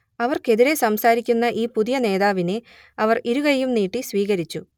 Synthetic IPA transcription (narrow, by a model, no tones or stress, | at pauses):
ɐʋɐrke̞ðiɾe̞sɐmsaːɾikʲːunːɐʔiːpuðijɐne̞ːðaːʋine̞ | ɐʋɐriɾuɣɐjumniːʈːisʋiːɣɐɾit͡ɕːu